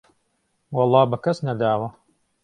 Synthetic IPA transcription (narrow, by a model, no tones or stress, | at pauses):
wɑlˠːɑːbɐkɐsnɐd̪aːwɐ